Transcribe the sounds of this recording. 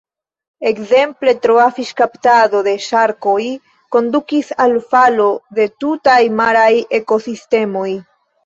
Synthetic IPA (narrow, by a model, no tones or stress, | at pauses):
e̞kze̞mple̞tɾoafiʃkaptado̞de̞ʃaɾko̞j | ko̞ndukisalfalo̞de̞tutajmaɾaje̞ko̞siste̞mo̞j